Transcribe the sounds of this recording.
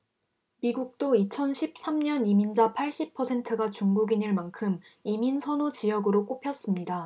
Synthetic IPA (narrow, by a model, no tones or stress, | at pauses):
miɡuk̚t͈oit͡ɕʰʌnɕʰip̚s͈amɲʌnimind͡ʑapʰaɭɕ͈ipʰʌsʰe̞ntʰɯɡat͡ɕuŋɡuɡiɲɯɭmankʰɯm | iminsʰʌnot͡ɕijʌɡɯɾok͈opʰjʌs͈ɯmɲida